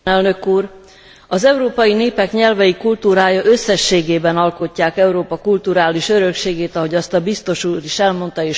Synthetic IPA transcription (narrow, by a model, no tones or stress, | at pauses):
ɛlnøkuːr | ɒzɛuɾoːpɒjineːpɛkɲɛlvɛjikult̪uːɾaːjɒʔøsːɛʃːeːɡeːbɛnɒlko̞cːaːkɛuɾoːpɒkult̪uɾaːliʃø̞ɾø̞kʃeːɡeːt̪ɒɦo̞ɟɒst̪ɒbist̪o̞ʃuːɾiʃɛlmo̞nt̪ɒeːʃ